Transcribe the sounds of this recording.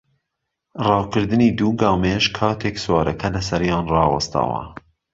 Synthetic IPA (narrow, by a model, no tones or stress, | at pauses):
rɑːwkɨɾd̪ɨniːd̪uːɡɑːwmeːʃkʰɑːt̪ʰeːkswɑːɾʔɐkʰɐlɐsɐɾjɑːnrɑːwɐ̰st̪ɐ̰wɐ̰